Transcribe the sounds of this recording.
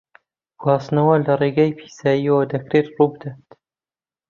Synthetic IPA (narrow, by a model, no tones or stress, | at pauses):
ɡwaːsnɐwɐlɐreɡaːjpʰi̥ːsaːjiwɐd̪ɐkɾet̪ruːbɨd̪at̪